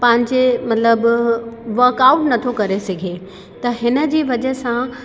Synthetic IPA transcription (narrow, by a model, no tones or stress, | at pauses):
pɐ̃ɦɪ̃ɲd͡ʑemɐt̪ləbʋɐːkaːwʊʈnɐt̪ʰokɐɾesɐɡʱe | t̪ɐɦɪnə̆d͡ʑiːʋɐd͡ʑəsã